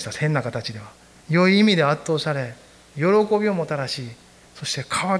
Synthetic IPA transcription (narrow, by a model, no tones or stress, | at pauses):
i̥t̪ahẽ̞nːakat̪at͡ɕid̪e̞β̞a | jo̞iːmʲid̪e̞at̪ːo̞ːsaɾe̞ | jo̞ɾo̞ko̞bʲio̞mo̞t̪aɾaɕiː | so̞ɕi̥t̪e̞kʰaβa